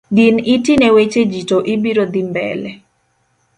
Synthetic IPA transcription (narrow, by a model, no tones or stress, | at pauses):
dinitinɛwet͡ʃed͡ʒitoʔibiɾod̪imbɛ̰lɛ